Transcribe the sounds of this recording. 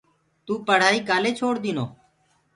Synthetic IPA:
t̪uːpəɽ̤aːiːkaːleːt͡ʃʰoːɽd̪iːnoː

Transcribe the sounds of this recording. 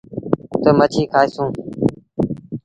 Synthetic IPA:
t̪əmət͡ʃʰiːkʰaːesũː

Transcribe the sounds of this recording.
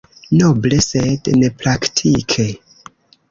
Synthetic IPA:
noblesednepɾaktʰikʰe

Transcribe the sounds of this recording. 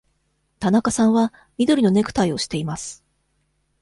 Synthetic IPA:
t̪anakasãɰ̃βa | mʲid̪o̞ɾino̞ne̞kɯ̟̥t̪aio̞ɕi̥t̪e̞imasɨ̥

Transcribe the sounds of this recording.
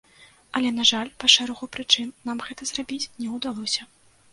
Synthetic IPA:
ɐlʲɛnaʐalʲpɐʂɛɾɐɣupɾɨt͡ʂɨnːamɣɛt̪ɐzrabʲit͡sʲnʲɛwd̪alˠɔsʲɐ

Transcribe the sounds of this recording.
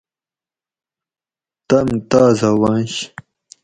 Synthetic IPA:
t̪ɐmt̪aːzɐwɑ̃nɕ

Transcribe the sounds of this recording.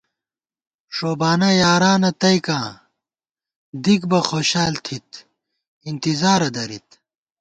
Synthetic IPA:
ʂoːbaːnɐjaːɾaːnɐt̪ɐjkãː | d̪ikbɐxoːɕaːlt̪ʰit̪ | int̪izaːɾɐd̪ɐɾḭt̪̚

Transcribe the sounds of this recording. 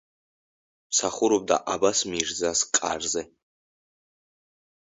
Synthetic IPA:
msaχʷʊɾob̚d̪a̰ʔabasmirzaskʼa̰rzɛ

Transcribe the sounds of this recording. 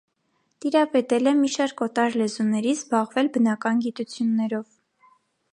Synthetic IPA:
t̪iɾɑpɛt̪ɛlɛmiʃɑɾkɔt̪ɑɾlɛzunɛɾizbɑʁvɛlbənɑkɑnɡit̪ut͡sʰjunːɛɾɔv

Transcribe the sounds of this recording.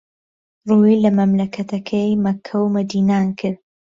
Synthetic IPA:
ruilɐmɐmlɐkʰɐt̪ʰɐkʰɐjmɐkʰːɐwmɐd̪iːnaːnkʰɨɾ

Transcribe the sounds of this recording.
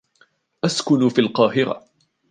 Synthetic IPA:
ʔaskʊnfiːlqɑːɦɪɾa̰

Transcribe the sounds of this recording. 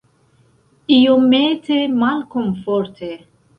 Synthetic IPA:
iometemalkomfoɾt̪ʰe

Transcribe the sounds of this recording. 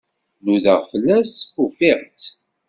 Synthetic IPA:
nuðəʁfəlːæsufɪʁt̪

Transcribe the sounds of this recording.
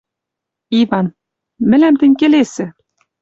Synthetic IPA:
ivɑn | mɘ̆læmt̪ɘ̆nʲkĕlesɘ̆

